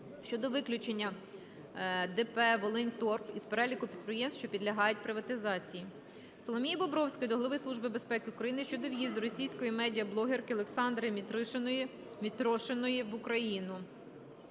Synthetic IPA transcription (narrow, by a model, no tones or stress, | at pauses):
ʃt͡ʃɔd̪ɔʋɪklʲʊt͡ʃenʲːɐ | d̪ɛpɛʋɔlˠɪnt̪ɔrpispeɾɛlʲikʊpʲid̪̚pɾejemsʃt͡ʃɔpʲid̪lʲɐɦɑjʊt̚ʲpɾɪʋɐt̪ɪzɑt͡sʲiji | sɔlˠɔmʲijibɔbɾɔwsʲkɔjd̪ɔɦlˠɐʋɪslˠuʒbɪbespɛkɪʊkɾɐjinɪʃt͡ʃɔd̪ɔʋjizd̪ʊɾɔsʲijsʲkɔjimɛdʲijɐblˠɔɦerkɪɔlˠeksɑnd̪ɾɪmʲ | mʲit̪ɾɔʃenɔjiʋʊkɾɐjinʊ